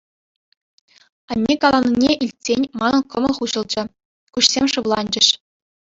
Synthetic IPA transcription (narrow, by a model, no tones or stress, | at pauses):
ɑnʲːekɑlˠɑnʲːinʲeʔilʲtʲsʲenʲmɑnɤ̆kɤ̆mɤ̆lˠχuʑɤ̆lˠd͡ʑɘ̆ | kuɕsʲemʲʂɯʋlˠɑnʲd͡ʑɘ̆ɕ